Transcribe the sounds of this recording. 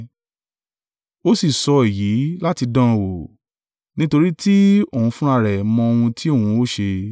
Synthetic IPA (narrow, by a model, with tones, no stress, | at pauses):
o˦si˦˨sɔ˨˧e˨ji˨˦la˦ti˧dã˦˨wo˨ | nĩ˦to˧ɾi˦tʰi˦õ˦˨ũ˧fũ˦a˧ɾɛ˨mɔ̃˧o˧wũ˧tʰi˦o˦˨ũ˧˦o˦ʃe˧